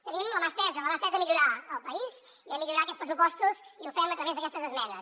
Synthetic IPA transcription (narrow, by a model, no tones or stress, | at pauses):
t̪ənimləmast̪ɛzələmast̪ɛzəmiʎuɾaəlˠpəiz | iəmiʎuɾaəkɛtspɾəsupɔst̪uziufɛmət̪ɾəβezðəkɛst̪əzəzmɛnəs